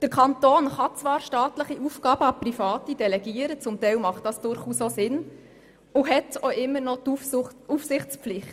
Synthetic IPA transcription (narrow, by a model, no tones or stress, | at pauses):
d̥əɾkʰɑnt̪oːnχɑt͡svɑːɾʃtɑːtləχiʔufɡ̥ɑːb̥əɑprifɑːtid̥ɛlɛɡiːəɾət͡sʊmtɛɪlmɑχtdɑsd̥ʊɾχuːsosɪn | ʊɦɛtoʔɪmːəɾnɔt̪ufufsɪχt͡spflɪχt